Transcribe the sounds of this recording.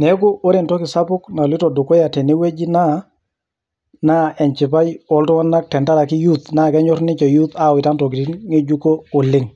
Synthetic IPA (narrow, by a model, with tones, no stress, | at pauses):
nɛ˨˦ko˦ʔo˦ɾe˨ntɔ˦kɪ˨sa˦pʊ˦kna˨li˦tɔ˨dʊ˨kɔ˦ja˨tɛ˨ne˦we˦d͡ʒi˦na˦ | na˦ɛ˨ɲt͡ʃɪ˨pa˦jɔ˨ltɔ˦wɔ˦na˦k̚tɛ˨nta˦ɾa˨ki˦ju˦t̪na˦˨kɛ˦ɲɔ˦ɾnɪ˦t͡ʃɛ˨ju˦t̪a˦˨wɪ˨ta˦ntɔ˨kɪ˨ti˦nŋe˦d͡ʒu˦ko˦o˨lɪ˦ŋ